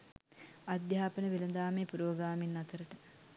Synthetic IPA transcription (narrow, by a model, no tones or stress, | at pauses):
ad̪jaːpənəʋelənd̪aːmeːpuɾoːɡɾaːminːat̪əɾəʈə